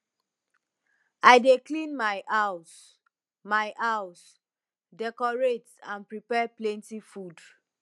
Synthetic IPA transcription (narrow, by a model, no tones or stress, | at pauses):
aɪdeklĩnmajʔaʊs | majʔaws | dɛkɔɹetãnpɹipɛplɛ̃ntifud